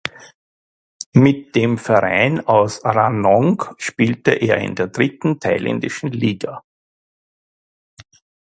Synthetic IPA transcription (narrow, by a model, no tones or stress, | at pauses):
mɪt̚d̥eːmfɛɐʁaɪnaʊsʁanɔŋkʃpiːltəʔeːɐɪ̰ndeːɐd̥ʁɪtn̩tʰaɪlɛ̰ndɪʃn̩liːɡa